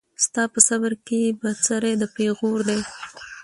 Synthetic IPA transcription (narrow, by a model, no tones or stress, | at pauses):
st̪ɑpəsabəɾkebat͡saɾed̪əpeɣoɾd̪aj